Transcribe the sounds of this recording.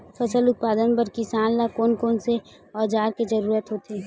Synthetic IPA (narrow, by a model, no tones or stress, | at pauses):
fʰɐsəlʊt̪̚paːd̪ənbəɾkisaːnlakoːnkoːnse | ɔːd͡ʒaːɾked͡ʒɐɾuːɾət̪ɦoːt̪eː